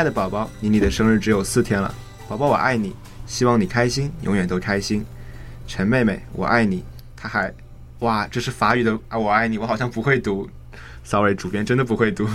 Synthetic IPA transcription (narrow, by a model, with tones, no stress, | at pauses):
ɪdə˩pɑ˨˩ʊpɑ˥˩ʊni˧˥ni˨˩d̪ə˦ʂɤ˥ŋɻ̩˥˩ʈ͡ʂɻ̩˧˥jo˨˩ʊsɹ̩˥˩t̪ʰjɛ˥nlə̰˨ | pɑ˨˩ʊpɑ˥ʊwɔ̰˨˩ʔa̰˥˩ɪni˨˩˦ | ɕi˥wɑ˥˩ŋni˨˩kʰa˥ɪɕi˥njʊ̰˧˥ŋɥɛ˨˩nt̪o˥ʊkʰa˥ɪɕi˥nʈ͡ʂʰə˧˥nme˥˧ɪme˧˥˩ɪwɔ̰˨˩ʔa˥˩ɪni˨˩ | t̪ʰa˥xa˧˥ɪ | wa˥˩ʈ͡ʂɤ˥˧ʂɻ̩˥˩fa˧˥y˨˩d̪ə˦a˥˧wɔ˨˩a˥˩ɪni˨˩wɔ˧˥xɑ˨˩jɑ˥˩ŋpu˧˥xwe˥˩ɪt̪u˧˥ | sɑ˧˥ʊe˧˥ɪʈ͡ʂu˨˩pjɛ˥˧nʈ͡ʂə˥nd̪ə˨˩pu˧˥xwe˥˩ɪt̪u˧˥